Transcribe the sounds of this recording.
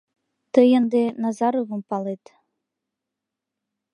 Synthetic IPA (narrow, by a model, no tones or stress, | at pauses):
t̪əjənd̪enɑzɑɾovə̆mpɑlet̪